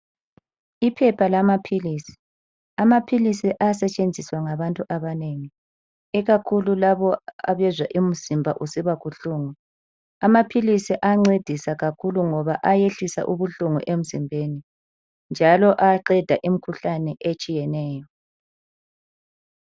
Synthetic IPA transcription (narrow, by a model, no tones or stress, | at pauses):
ipʰɛpʰalamapʰilisi̥ | amapʰilisiʔasɛt͡ʃʼend͡zʱiswaŋaβantʼuʔaβaneŋi | ɛɣakʰululaβɔa̰βɛzwaʔim̩z̥imbʱaʔusiβaɣuɬuːŋu | amapʰilisiʔaŋ͡ǀed̥ʱisaɣakʰuluŋɔβaʔajeɬisa̰ʔuβuɬuŋṵʔem̩zimbʱeni | nd͡ʒʱalɔʔaǃɛd̥ʱaʔim̩kʰuɬanɛʔet͡ʃʼijɛnɛːjɔ